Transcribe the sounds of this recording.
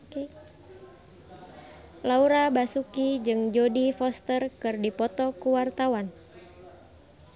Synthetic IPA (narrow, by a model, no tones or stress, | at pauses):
lauɾabasukid͡ʒɨŋd͡ʒodifɔst̪ərkɨrdipɔt̪ɔkuwart̪awan